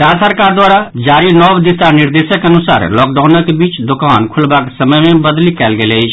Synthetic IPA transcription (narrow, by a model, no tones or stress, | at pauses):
ɾasəɾkaɾd̪waːɾad͡ʒaɾinɔbd̪isaniɾd̪esəkeənusa̰ːɾlɔk̚ɖaʊnəkebiːt͡ʃd̪okaːnkʰulbakesəməjmebəd̪likɛːlɡelɛɪt͡ʃʰ